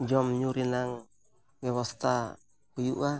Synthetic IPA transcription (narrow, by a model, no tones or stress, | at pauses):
d͡ʒɔmɲuɾinaŋ | wɛwast̪a | kujuʔa